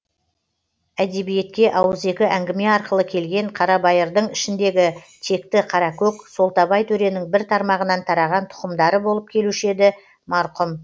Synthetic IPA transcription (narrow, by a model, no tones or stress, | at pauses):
æd̪e̞bije̞t̪kʲe̞ʔɑwəze̞kʲɪʔæŋɡʲɪme̞ɑɾqəlˠəkʲʰe̞lɡʲe̞ɴqʰɑɾɑbɑjəɾd̪əɴɪʃɪnd̪e̞ɡʲɪt̪ʰe̞kt̪ɪqʰɑɾɑkʲʰɵkso̞lˠt̪ɑbɑjt̪ʰɵɾe̞nɪŋbɪɾt̪ʰɑɾmɑʁənɑnt̪ʰɑɾɑʁɑnt̪ʰʊ̥qəmd̪ɑɾəbo̞lˠəp̚kʲʰe̞luʃe̞d̪ɪ | mɑɾqʊm